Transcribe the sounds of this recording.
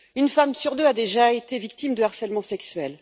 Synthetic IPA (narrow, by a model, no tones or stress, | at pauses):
ynfamsyʁd̪øad̪eʒaet̪evik̚t̪imd̪əaʁsɛlmɑ̃sɛksɥɛl